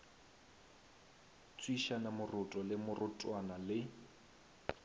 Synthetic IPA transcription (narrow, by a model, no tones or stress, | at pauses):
t͡sʼwiʃanamʊrʊtʼɔlɪmʊrʔʊtʼwanalɪ